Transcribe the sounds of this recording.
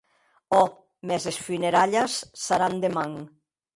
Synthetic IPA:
ɔ | mɛzesfyneɾaʎasːaɾand̪emaŋ

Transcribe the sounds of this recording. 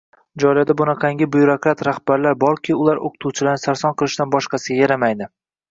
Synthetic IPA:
d͡ʒɒlad̪abʊnɑqʰɑŋɡʲɪbʊjɾokɾat̪ɾahbaɾlaɾbɒɾkʲʰɪʊlˠaɾo̰qʰɨ̥t̪ʰuwt͡ʃʰɪlaɾnɪsaɾsɒnqɨlˠɪʃd̪anbɒʃqɑsɪɡʲajaɾamajd̪ɪ

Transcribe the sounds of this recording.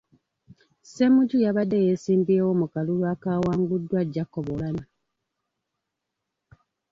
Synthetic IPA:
semuɟujaβadːejesiːmbiewomukalulwaːkaːwaːŋɡudːwaɟːakːoβolana

